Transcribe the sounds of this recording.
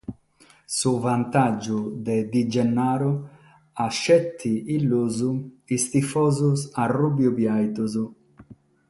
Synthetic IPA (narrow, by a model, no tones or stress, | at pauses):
suvant̪ad͡ʒːud̪ed̪id͡ʒɛnːaːɾu | aʃːɛt̪ʰːiilːuzu | ist̪ifɔːzusarubjubjajt̪uzu